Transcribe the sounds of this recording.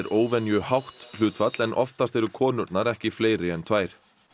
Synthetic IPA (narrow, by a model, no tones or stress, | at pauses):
ɾʔoːwvɛnjʏhawht̪l̥ʏːt̪fat̪lɛnʔɔ̰ft̪ast̪ɛɾʏkʰɔːnʏɾt̪naɾɛhcɪfleːjɾɪɛnt̪ʰvaːjɾ̥